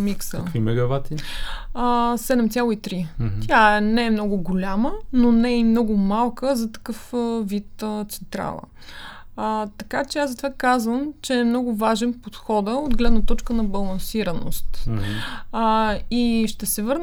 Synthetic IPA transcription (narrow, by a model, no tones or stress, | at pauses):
miksə̰kvimɛɡɐvat̪iəsɛd̪ɛmt̪ʲjalˠoit̪ɾit̪ʲjaɛnɛɛmnɔɡʊɡolʲamənonɛimnɔɡʊmalˠkəzɐt̪ɐ̥kɤfəvit̪ət̪sɛ̥nt̪ɾa̰lˠə̰ | t̪ɐkat͡ʃɛazɐt̪ovakazvəmt͡ʃɛːmnɔɡʊvaʒɛnpot̪xɔd̪əod̪ɡlɛd̪nət̪ɔt͡ʃkənɐbɐlˠɐnsiɾəno̰st̪ | iʃt̪ɛsɛvɤɾn